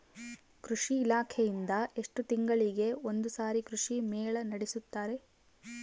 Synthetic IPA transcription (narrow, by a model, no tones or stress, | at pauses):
kɾuʂiːlaːkʰejind̪ɐe̞ʂʈut̪iŋɡɐɭiɡe̞o̞nd̪usaːɾikɾuʂimeːɭɐnɐɽesut̪ːaːɾe̞